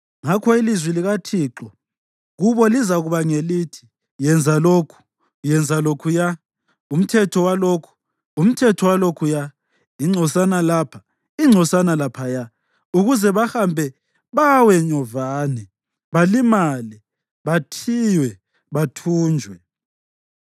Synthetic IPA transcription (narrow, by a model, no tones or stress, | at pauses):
ŋakʰɔilizwiliɣatʰiːǁɔ | ɣuβɔlizaɣuβaŋelitʰi̥ | jɛnd͡zʱalokʰu̥ | jɛnd͡zʱalokʰuja | um̩tʰɛtʰɔwalokʰu̥ | um̩tʰɛtʰɔwalokʰuja | iŋ͡ǀʱɔsanalapʰḁ | iŋ͡ǀʱɔsanalapʰaja | uɣuzɛβahambʱɛ | βawɛɲɔvaːnɛ | βalimali | βatʰijwɛ | βatʰuːnd͡ʒʱwɛ